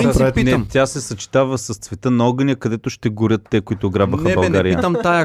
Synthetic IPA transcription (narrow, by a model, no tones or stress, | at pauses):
appinɛmt̪ʲasɛsɐt͡ʃi̥t̪avɐsɐst̪svɛt̪ənɐɔɡənʲəkɐd̪ɛt̪oʃt̪ɛɡʊɾʲət̪ːɛkoit̪ʊːɡɾabəxəbɐlˠɡaɾijət̪əmt̪ajə